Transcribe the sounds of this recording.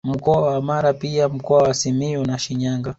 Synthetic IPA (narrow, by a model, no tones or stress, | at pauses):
m̩kɔwawamaɾapiam̩kɔwawasimijɔnaʃiɲaːŋɡa